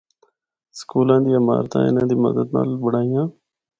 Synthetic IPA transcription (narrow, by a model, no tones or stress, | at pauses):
sə̥kuːlãːd̪iːəma̰ːɾt̪ã̰ːɪ̰nãːd̪iːmə̰d̪əd̪na̰ːlbəɽaːijãː